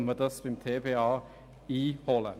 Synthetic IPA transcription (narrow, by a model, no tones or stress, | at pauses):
məd̪əsʋɪmt̪ʰeːpʰeːɑː | iːhoːlə̰